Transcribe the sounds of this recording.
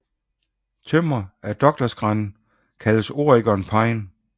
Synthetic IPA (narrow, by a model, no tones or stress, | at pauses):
t͡sʰøm̰ɐæd̥ɒ̽ɡ̥lɐsɡ̥ʁɑ̈n | kʰæləso̝ɐiɡ̥ɒnpʰɑ̈ɪn